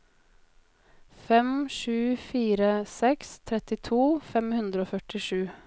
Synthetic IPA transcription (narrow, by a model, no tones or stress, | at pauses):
fɛmʂʉːfiːɾəsɛkst̪ʰɾɛt̪ɪt̪ʰuːfɛmhʉnd̪ɾəoːfœʈɪʂʉː